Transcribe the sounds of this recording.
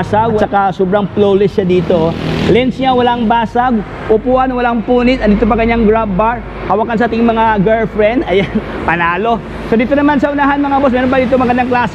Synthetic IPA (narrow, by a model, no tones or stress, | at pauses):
saɡɐkasoːbɾɐŋplowlɪsad̪iːt̪olɛnsɲawɐlaŋbaːsaɡ | ʔʊpuːʔanɐwɐlaŋpuːnɪt̪ʔɐt̪d̪iːt̪op̬ɐkɐɲːaŋɡɾab̚baɹ | hawakɐnsɐʔaːt̪ɪŋmɐŋaɡɛlfɾɛnd̪ɐjan | pɐnaːlo̞ | sod̪iːt̪onɐmansɐʔʊnaːɦanmɐŋaɐbos̬mɛːɾonpɐd̪iːt̪omɐɡɐnd̪aŋklaːs